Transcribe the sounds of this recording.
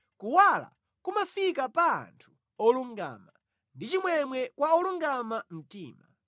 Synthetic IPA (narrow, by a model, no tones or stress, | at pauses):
kuwala̰ | kumafikapa̰ːntʰu̥ | ɔluŋɡa̰ːma | ndit͡ʃimwɛmwɛkwaɔluŋɡamam̩tiːma